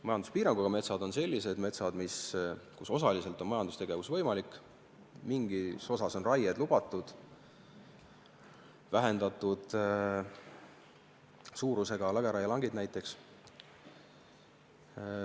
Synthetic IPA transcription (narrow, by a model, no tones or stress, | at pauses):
mɑjɑnd̪u̥spiːɾɑŋɡ̥uɑɡ̥ɑme̞t̪sɑd̪̥o̞nse̞lʲːise̞d̪me̞t̪sɑd̪miskuso̞sɑlise̞lt̪ˑo̞nmɑjɑnd̪ust̪e̞ɡe̞vusvɤ̞jmɑlikːˑ | miŋɡiso̞sɑso̞nrɑjed̪̥lub̥ɑt̪ːˑud̪̥ | væɦe̞nd̪ɑt̪ːˑud̪̥ | suːɾuse̞ɡ̥ɑlæɡ̥eɾɑjɑlɑŋɡid̪̥næjt̪ːˑe̞ks